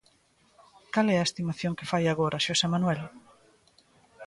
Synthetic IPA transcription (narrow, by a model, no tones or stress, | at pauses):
kalɛaest̪imaθjoŋkefajaɣ̞oɾʔɐʃosemanwɛl